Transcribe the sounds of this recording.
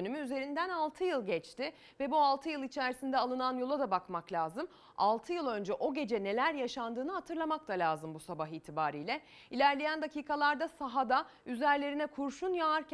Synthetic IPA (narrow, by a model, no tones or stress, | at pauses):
nymyyze̞ɾind̪ænalˠt̪ʰɯjɯlˠɟɛt͡ʃt̪ɪ | vɛbualˠt̪ʰɯjɯlˠit͡ʃʰæɾisind̪ɛalˠɯnanjo̞lˠad̪abakmaklʲaːzɯm | a̰lˠt̪ʰɯjɯlˠø̞nd͡ʒɛʔo̞ɟe̞d͡ʒɛne̞lʲæɾjaʃand̪ɯːnɯɦat̪ʰɯɾlˠamak̚t̪ʰalʲaːzɯmbusabaɦiːt̪ʰibaːɾijlʲɛ | ilʲæɾlʲejænd̪acʰiːkʰalˠaɾd̪asaɦad̪ayzæɾlʲe̞ɾinɛkʰuɾʃunjaaɾcʰ